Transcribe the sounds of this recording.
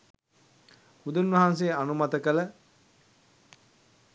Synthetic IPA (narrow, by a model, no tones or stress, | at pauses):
hud̪unʋɐɦans̬eːanumat̪əkələ